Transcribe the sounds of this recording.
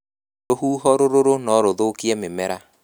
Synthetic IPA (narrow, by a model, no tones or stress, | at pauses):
ɾoɦuːɦɔɾoɾoɾonɔɾoðokiɛmemɛɾa